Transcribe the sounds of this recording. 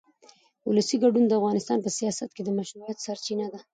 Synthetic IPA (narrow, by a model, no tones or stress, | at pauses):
ʊlasiɡaɖund̪əafvɣɑnɪst̪ɑnpəsijɑsat̪̚ked̪əmaʃɾujat̪saɾt͡ʃinad̪a